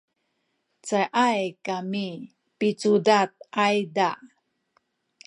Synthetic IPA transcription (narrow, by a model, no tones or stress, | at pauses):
t͡sajʔajkami | pit͡sudat̪̚ajda